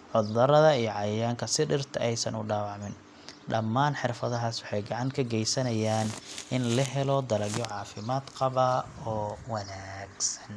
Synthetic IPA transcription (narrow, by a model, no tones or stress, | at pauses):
ʕʊd̪ːɐɾɐðɐijɔʕɑjɐjaːŋkʰɐsɪɖɪrt̪ʰɐʔɛjsɐnʊɖaːwɑʕmɪn | ɖɐmːaːnħɪrfɐðɐɦaːswɑħɑjɡɑʕɑŋkʰɐɡɛjsɐnɐjaːnʔɪnlɐɦɛlɔd̪ɐlɐɡjɔʕɑːfɪmaːd̪qɑβaɔːwɐnaːɡsɐ̥n